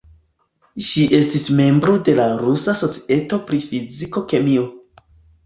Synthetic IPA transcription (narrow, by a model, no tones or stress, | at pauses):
ʃiʔe̞stisme̞mbɾode̞laɾusaso̞t͡si̥e̞to̞pɾifiziko̞ke̞mio̞